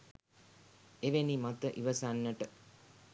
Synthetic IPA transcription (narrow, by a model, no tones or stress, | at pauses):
eʋenimat̪əʔiʋəsanːəʈə